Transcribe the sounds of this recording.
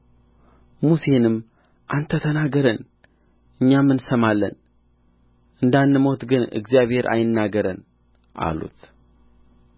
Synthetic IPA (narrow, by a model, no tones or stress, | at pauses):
musenɨm | ʔant̪ʰːət̪ʰənaɡəɾən | ʔɨɲːamːɨnsəmalːə̰n | ʔɨnd̪anːɨmo̞t̪ɡɨnɨ̰ɡzijaβhe̞ɾʔa̰jɪnːaɡəɾən | ʔa̰lṵt̪